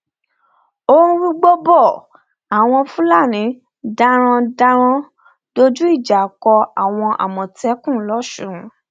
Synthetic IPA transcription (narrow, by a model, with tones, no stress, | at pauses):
o˦ũ˦wi˦ɡ͡bo˦bɔ˦˨ | a˨w̃ɔ̃˧fũ˦la˦˨nĩ˨˦ | da˦ɾ̃ɔ̃˧da˧ɾ̃ɔ̃˧ | d̥o˦d͡ʒu˦i˦˨d͡ʒa˨kɔ˧a˨w̃ɔ̃˧ʔa̰˨mɔ̃˨tɛ˨˦kũ˦˨˦lɔ˦ʃũ˦˨